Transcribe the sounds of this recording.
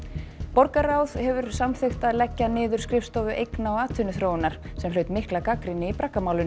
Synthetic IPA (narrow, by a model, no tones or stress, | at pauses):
pɔɾkaɾaːwð̥hɛvʏɾ̥samθext̪aðlɛcːanɪːðʏ̥skɾɪfst̪ɔvʏʔejknaɔaːt̪ʰʏnʏθɾoːwɪnaɾ̥sɛmlœɥt̪mɪhklakakɾɪnɪipɾakːamaːwlʏn